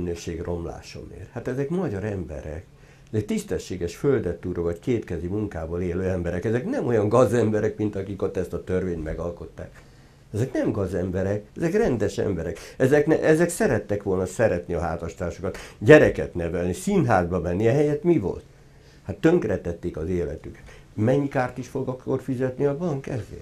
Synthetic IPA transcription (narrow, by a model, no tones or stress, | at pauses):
nøːʃeːɡro̞mla̰ːʃɒ̰mḛːrhat̪ɛzɛkmɒɟɒɾɛmbɛ̰ɾɛ̰k | ɛzɛkt̪ist̪ɛʃːeːɡɛʃføld̪ɛt̪ːuɾovɒckeːp̪kɛzimuŋkaːboːleːløːɛmbɛɾɛkɛzɛknɛmo̞jɒŋɡɒzɛmbɛɾɛkmint̪ɒkiko̞t̪ːɛst̪ɒt̪ørveːɲnt̪mɛɡɒlko̞t̪ːa̰ːk | ɛzɛknɛmɡɒzɛmbɛɾɛkɛzɛkrɛnd̪ɛʃɛ̰mbɛɾɛkɛzɛknɛʔɛzɛksɛɾɛt̪ːɛkʋo̞lnɒsɛɾɛt̪niɒɦaːt̪ɒʃt̪aːʃokɒt̪ɟɛɾɛkɛ̰t̪nɛvɛlnisinɦaːzbɒmɛnːiɛɦɛjɛt̪mivo̞̰lt̪ | hat̪ːøŋkrɛt̪ːɛt̪ːeːkɒzeːlɛ̰t̪ykɛ̥t̪ | mɛɲːikaːrt̪iʃfo̞ɡɒkːo̞rfizɛt̪niɒbɒŋkɛ̰zḛːr